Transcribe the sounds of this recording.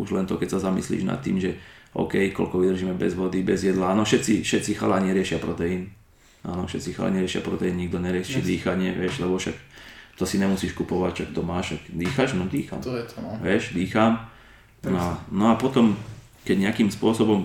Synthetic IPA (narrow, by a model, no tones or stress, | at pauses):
uʒlɛnt̪ɔkɛcsazamḭslḭːʒna̰t̪ːḭːmʒɛɔ̰ʊkɛjkɔ̰lkɔʋid̪r̩ʒiːmɛbɛ̰zʋɔd̪ibɛzjɛd̪laaːnɔfʃɛt̪t͡sifʃɛt̪t͡sixa̰laːɲɪɛɾɪɛʃɪapɾɔt̪ɛin | ʔa̰ːnɔfʃɛt̪t͡sixa̰la̰ɲɛɾɪɛʃɪa̰pɾɔt̪ɛinɲiɡ̚d̪ɔɲɛɾɪɛt͡ʃid̪iːxaɲɪɛʋɪɛʃlɛbɔʃak̚t̪ɔsiɲɛmusiːʃkupɔʋacʃak̚t̪ɔmaːʃakd̪iːxaʃnɔd̪iːxa̰mʋɪɛʃd̪iːxam | nɔanɔapɔt̪ɔm | kɛɟɲɛakiːmspʊɔsɔbɔm